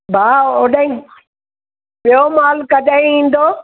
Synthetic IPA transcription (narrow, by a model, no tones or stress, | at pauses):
bʱaːoːɗəĩ | ɓijomaːlkɐd̪əĩĩːn̆d̪oː